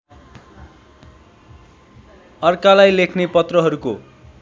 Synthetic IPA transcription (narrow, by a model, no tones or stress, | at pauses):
ʌrkalajlekʰnepʌt̪rʌɦʌɾuko